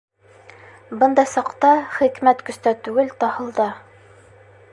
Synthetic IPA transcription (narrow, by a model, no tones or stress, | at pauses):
bɤnd̪ɑjsɑqt̪ɑχikmæt̪kɵ̆st̪æt̪ʉɡɘlt̪ɑhɤ̆lˠd̪ɑ